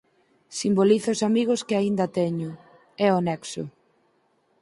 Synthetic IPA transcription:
simboliθʊʊsamiɣʊskɪaind̪ɐt̪ɛɲʊ | ɛonɛksʊ̰

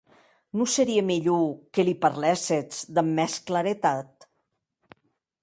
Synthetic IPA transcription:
nusəɾiemiʎukelipəɾlɛset͡sd̪əmːɛskləɾet̪at̪

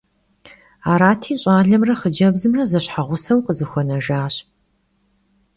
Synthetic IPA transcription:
aːɾaːtʰiːɕʼaːɮɐmrɐχəd͡ʒɐbzɨmrɐzɐɕħaʁʷʊsɐwqʼəzɨxʷɔnɐʒaːɕ

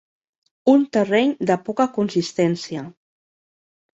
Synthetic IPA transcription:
unt̪ərɛɲd̪əpɔkakunsist̪ɛnsiə

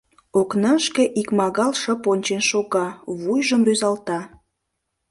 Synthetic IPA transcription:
oknəʃkeʔikmɑɣɑlʃə̆ponʲt͡ɕenʃoɣɑβujʒəmryzɑlt̪ɑ

